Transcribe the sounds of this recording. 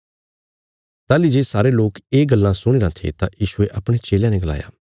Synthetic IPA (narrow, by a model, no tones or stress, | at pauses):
t̪aːlid͡ʒeːsaːɾeloːkeːɡɐlːãsʊɽ̃eːɾãt̪ʰḛt̪ãjiːʃʊeʔɐpɽ̃et͡ʃeːljãneɡəla̰ːja̰ː